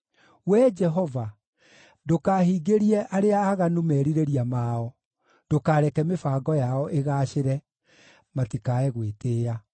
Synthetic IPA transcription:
wɛd͡ʒɛɦɔva | dokaːhiːɡeɾiɛʔaɾeaːɣanumɛːɾiɾeɾiamaɔ | d̥okaːɾɛkɛmefaːɡɔjaɔʔeɣaːʃeɾɛ | matikaɛɣweteːja

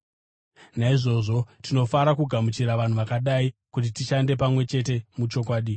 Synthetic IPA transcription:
naiʐo̞ʐo̞tino̞faɾakuɡʱamut͡ʃiɾaʋan̤uʋakaɗaikut̬itiʃande̞pamwe̞t͡ʃe̞t̬e̞mut͡ʃo̞k̬waːɗi

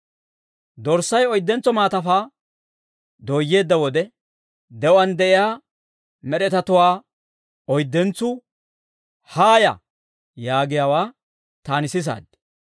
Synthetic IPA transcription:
d̪ɔɾsːɐjɔjd̪ːɛnt͡sːɔmaːt̪ɐfaː | d̪oːjːe̞ːd̪ːɐwɔd̪ɛ | d̪ɛwɐnd̪ɛʔɪjaː | mɛɾɛt̪ɐt̪ʊwaː | ɔjd̪ːɛnt͡sːʊ | haːjɐ̰ | jaːɡɪjaːwaː | t̪aːnɪsɪs̬a̰ːd̪

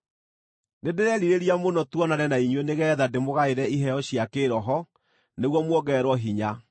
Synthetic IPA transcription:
nedeɾɛɾiɾeɾiamonɔtwɔnaɾɛnaiɲweneɣɛːðademoɣaeɾɛiɦɛɔɕiakeːɾɔɦɔ | neɣwɔmwɔɡɛɾwɔɦiɲa

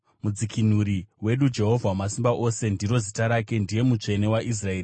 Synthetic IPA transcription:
mud͡zikʰin̤uɾiwe̞ɗud͡ʒe̞ɦo̞vʱawamasimbaʔo̞se̞ndiɾo̞zitaɾake̞ndije̞mut͡ʂe̞ne̞waʔis̬rae̞ːri

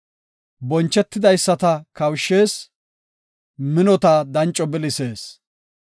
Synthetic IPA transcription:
bɔnt͡ʃːɛt̪ːɪd̪ɐjsːɐt̪ɐkɐwʃːeːs | mɪnɔt̪aːd̪ɐnt͡ʃʼːɔbɪlɪseːs

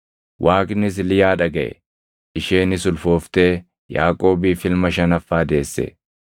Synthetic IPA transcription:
wʔaːkʼɪnɪs̬lɪjaːᶑɐɡɐʔɛ̰ | ɪʃe̞ːnɪsʊlfo̞ːft̪e̞ː | ja̰ːkʼo̞ːbiːfɪlmɐʃɐnɐfːaːd̪e̞ːsːɛ̰

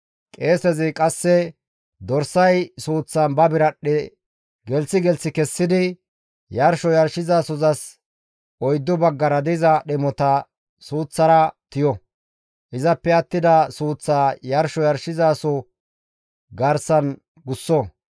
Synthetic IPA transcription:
kʼe̞ːsɛzɪkʼɐsːɛ | d̪ɔɾsɐjsuːt͡sːɐnbɐbɪɾɐɗɛ | ɡɛlt͡sːɪɡɛlsɪkɛsːɪd̪ɪ | jɐɾʃɔjɐɾʃɪzaːsɔzɐs | ɔjd̪ːʊbɐɡːɐɾɐd̪ɪzɐɗɛmɔt̪ɐ | suːt͡sːɐɾɐt̪ɪjɔ | ʔɪzɐpːɛɐt̪ːɪd̪ɐsuːt͡sːaːjɐɾʃɔjɐɾʃɪzaːsɔ | ɡɐɾsɐn | ɡʊsːɔ

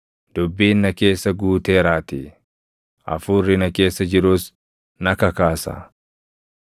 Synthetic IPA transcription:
d̪̥ʊbːiːnːɐke̞ːsːɐɡuːt̪eːɾaːt̪i | ʔɐ̰fuːrːɪnɐke̞ːsːɐd͡ʒɪɾuːs | nɐkɐkaːsɐ̰

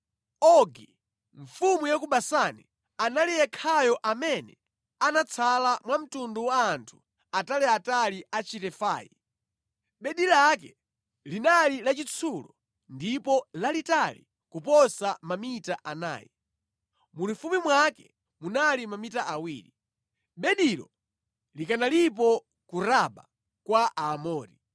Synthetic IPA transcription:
ɔɡi | ɱ̩fumujakuɓasani | analijɛkʰajɔʔamɛnɛ | anat͡sʰalamwam̩tunduwaːntʰu̥ | atalɛataliʔat͡ʃitɛfa̰ːjḭ | ɓɛɗilakɛ | linalilat͡ʃit͡sʰulɔ | ndipɔlalitalḭ | kupɔsamamitaʔana̰ːjḭ | mulufumimwakɛ | munalimamitaʔawiːɾi | ɓɛɗiɾɔ̰ | likanalip̬ɔ | kuɾaɓa | kwaʔaːmɔːɾi

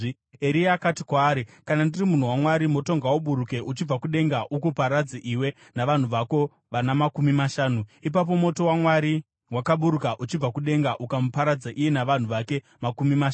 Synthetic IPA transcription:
eɾiaːkatikwaːɾikanandirimun̤uwamwaɾimo̞to̞ŋɡawuɓuɾuke̞ʔut͡ʃib͡vakuɗe̞ŋɡaʔukupaɾad͡zaʔiwe̞ | naʋan̤uʋako̞ | ʋanamakumimaʃaːnuip̬ap̬o̞mo̞to̞wamwaɾi | wakaɓuɾukaʔut͡ʃib͡vakuɗe̞ŋɡaʔukamupaɾad͡zaʔijenaʋan̤uʋake̞ | makumimaa

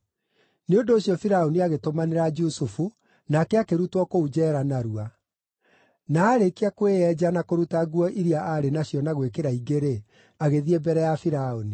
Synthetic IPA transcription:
neondoːɕjɔfiɾaoniaɣetomaneɾad͡ʒusufu | nakɛakeɾutwɔkoud͡ʑɛɾanaɾua | naːɾekiakweɛd͡ʑanakoɾutaɣwɔʔiɾiaaɾenaɕjɔnaɣwekeɾaiɡeɾe | aɣeðiebɛɾɛjafiɾaoni

